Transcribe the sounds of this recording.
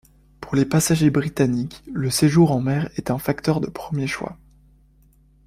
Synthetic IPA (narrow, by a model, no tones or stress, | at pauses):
puʁlepasaʒebʁit̪anikləseʒuʁɑ̃mɛʁɛt̪ɛ̃fakt̪œʁd̪əpχəmjeʃwa̰